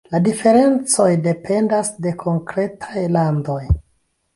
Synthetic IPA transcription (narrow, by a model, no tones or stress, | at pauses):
ladife̞ɾe̞nt͡so̞jde̞pe̞ndasde̞kʰo̞ŋkɾe̞tʰajlando̞j